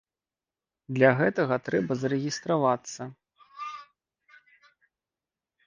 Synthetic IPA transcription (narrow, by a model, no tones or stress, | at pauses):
d̪lʲɐɣɛt̪ɐɣɐt̪ɾɛbɐzɐɾɛɣʲist̪ɾavat̪sːɐ